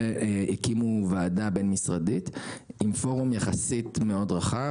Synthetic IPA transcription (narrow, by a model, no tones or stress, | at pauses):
ikimuvaːdabenmisʁaditimfo̞ʁumjaχasit̪meo̞dʁaχa